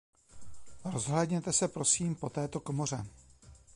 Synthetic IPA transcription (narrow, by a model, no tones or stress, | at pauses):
ɾo̞zɦlɛdɲɛt̪ɛsɛpɾo̞siːmpo̞t̪ɛːt̪o̞komor̝ɛ